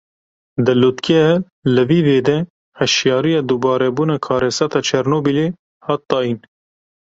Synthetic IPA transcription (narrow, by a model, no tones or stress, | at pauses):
d̪ɨlut̪kʰɛɛ | ləviːveːd̪ɛ | hɛʃjɑːɾijɑːd̪uːbɑːɾɛbuːnɑːkʰɑːɾɛsɑt̪ɑːt͡ʃʰɛɾnoːbile | hɑːt̪̚ːɑːjin